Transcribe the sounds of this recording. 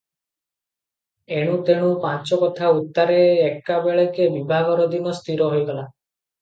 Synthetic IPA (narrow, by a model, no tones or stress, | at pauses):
eɽ̃ũt̪eɽ̃ũpãt͡ʃɔkɔt̪ʰaut̪ːaɾeːkːabeɭekebibʱaɡɔɾɔd̪inɔst̪ʰiɾɔɦojɡɔla